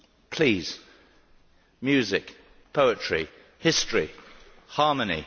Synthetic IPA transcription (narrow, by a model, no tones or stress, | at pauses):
pʰl̥iːz̥ | mjʉːzɪk | pʰəʊɪt͡ʃɹ̥i | hɪstɹ̥i | hɑːmənḭ